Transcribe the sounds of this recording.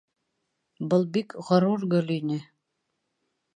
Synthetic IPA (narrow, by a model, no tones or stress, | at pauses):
bɤlˠbikʁɤ̆ɾuɾɡɵlinɘ